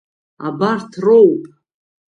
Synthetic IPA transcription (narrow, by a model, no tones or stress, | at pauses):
a̰bartʰrowpʼ